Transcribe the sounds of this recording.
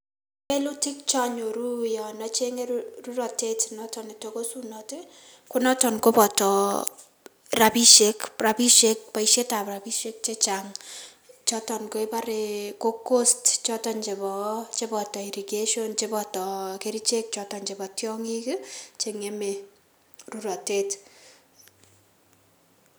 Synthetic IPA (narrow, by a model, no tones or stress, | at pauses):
pelutʰik̚t͡ʃaɲoɾujɔnɔt͡ʃeŋeruɾɔtetʰnɔtʰɔnetokosunɔti | kunɔtɔnkobɔtɔ | rabiʃekprabiʃek̚pajʃetabɾabiʃek̚t͡ʃet͡ʃaŋ | t͡ʃɔtɔnkoebaɾekokostt͡ʃɔtɔnt͡ʃebɔt͡ʃebɔtɔiɾiɡeʃɔnt͡ʃebɔtɔkeɾit͡ʃek̚t͡ʃɔtɔnt͡ʃebɔtjɔŋikt͡ʃeŋeme | ruɾɔtet